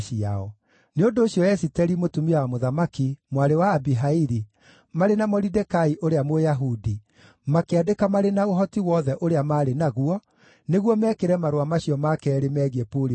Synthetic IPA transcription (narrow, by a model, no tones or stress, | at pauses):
ʃia̰ɔ | neondoːɕjɔjɛsitɛɾimotumiwamoðamakimwaɾewaːbiɦaiɾi | maɾenamɔɾidɛkaiʔoɾeamojaɦudi | makeadekamaɾenaoɦɔtiwɔðɛʔoɾeamaːɾenaɣuɔ | neɣwɔmɛkeɾɛmaɾowamaɕiɔmakɛːɾemɛɣepoɾi